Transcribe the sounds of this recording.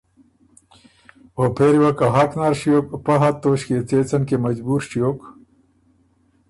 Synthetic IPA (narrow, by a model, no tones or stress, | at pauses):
opʰeɾiwɐkaɦaknaɾɕijoːkpɐɦat̪ːoːɕket͡seːt͡sɐnkemɐd͡ʑbuːɾʂijoːk